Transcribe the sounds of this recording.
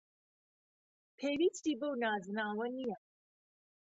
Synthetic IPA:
pʰeːɾistiːbɐwnaːzɨnaːwɐnijɐ

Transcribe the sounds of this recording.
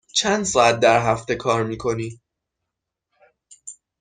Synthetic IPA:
t͡ʃʰænd̪sɒːæt̪̚d̪æɾɦæft̪e̞kʰɒːɾmiːkʰo̞niː

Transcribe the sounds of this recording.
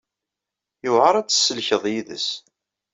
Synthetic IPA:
jʊʁəɾˤæt͡sːə̥sːəlçəðˤjiðə̰s

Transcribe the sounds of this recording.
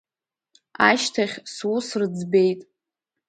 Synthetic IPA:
a̰ʃtʰaχʲswusrɨd͡zbe̞jtʼ

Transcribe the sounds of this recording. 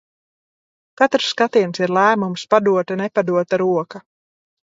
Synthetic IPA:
kat̪ɾsːkat̪iɛnsiɾlˠæːmumspad̪uɔt̪anepad̪uɔt̪aɾuɔka

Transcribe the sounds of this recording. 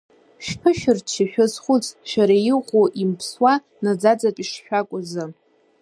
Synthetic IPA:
ʃpʰɨʃᶣʊrt͡ʃʰiʃʷᶣʊzχʷʊt͡sʼʃᶣaɾajɪqʷʼoʔimpʰswa | nad͡zad͡zapʼiʂʃᶣakʷʼʊzɨ

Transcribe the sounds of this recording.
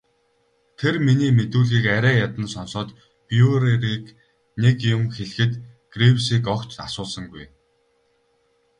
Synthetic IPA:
t̪ʰerminiːmet̪uːɮɣiːkæɾæːjat̪ə̆nsɔnsɔːt̪ | pjuɾeɾiːk | nekjʊmxeɮxɘ̆t̪ɡ̥rewsiːkɔkt͡ɕa̰sʊːɮsə̆ŋɡuj

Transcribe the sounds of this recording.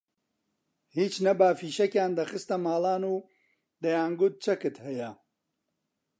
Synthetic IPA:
hiːt͡ʃnɐbaːfiːʃɐkjaːnd̪ɐxɨst̪ɐmaːlˠaːnuː | d̪ɐjaːnɡʊt̪̚t͡ʃɐkɨt̪hɐjɐ

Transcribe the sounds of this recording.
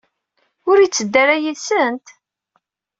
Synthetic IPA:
ʊɾit͡sːəd̪ːæɾæjisənt̪

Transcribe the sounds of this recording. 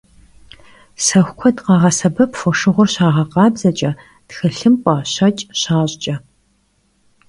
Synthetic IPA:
sɐxʷkʷʰɔdqɑːʁɐsɐbɐpfɔʂɨʁʷʊrɕaːʁɐqɑːbzɐt͡ʃʼɐ | txɨɬɨmpʷʼɑːɕɐt͡ʃʼɕaːɕʼt͡ʃʼɐ

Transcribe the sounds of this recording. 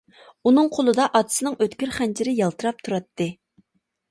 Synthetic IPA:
unɨŋqʰolˠɨd̪ɑʔɑt̪ʰɨ̥sɨnɨŋøt̪kʲyɾχænt͡ʃʰiɾɪjɑlˠt̪ʰɨɾɑp̚t̪ʰuɾɑt̪ːɨ

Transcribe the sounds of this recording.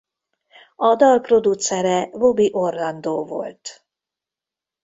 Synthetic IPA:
ɒd̪ɒlpro̞d̪ut̪sɛɾɛvo̞biʔo̞rlɒnd̪oːvo̞̰lt̪

